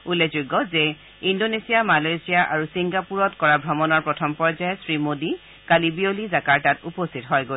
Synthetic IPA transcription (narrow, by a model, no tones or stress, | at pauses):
ulːezuɡɔzɛ | indonesijamalejsijaʔaɹusiŋɡapuɹɔtkɔɹabʱɹɔmɔnɔɹpɹɔtʰɔmpɔɹzajsɹimodi | kalibiolizakaɹtatupostʰitɦɔjɡo